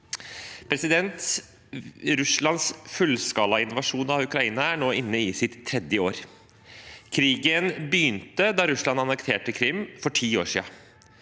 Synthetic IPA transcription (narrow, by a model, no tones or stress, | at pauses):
pʰɾɛsɪd̪ɛnt̪ | ɾʉslɑnsfʉlskɑːlɑɪnʋɑʂuːnɑʋʉkɾɑiːnɑæɳoːʔɪnːəɪsɪt̪ʰːɾɛd̪jəoːɾ | kʰɾiːɡənbəjʏnt̪əd̪ɑːɾʉslɑnɑnɛkt̪ʰeːʈəkʰɾɪmːfɔʈʰiːo̰ːʂḭːɑ